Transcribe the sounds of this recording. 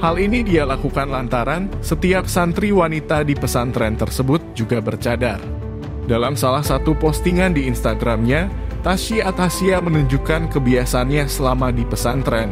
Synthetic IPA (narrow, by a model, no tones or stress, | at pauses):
halinidialakukanlant̪aɾansət̪iap̚sant̪ɾiwanit̪adipəsant̪ɾɛnt̪ərsəbʊt̪̚d͡ʒuɡabərt͡ʃadar | dalamsalahsat̪upɔst̪iŋandiːnst̪aɡɾamɲat̪aʃiat̪asiamənuɲd͡ʒukankəbiasanɲasəlamadipəsant̪ɾɛn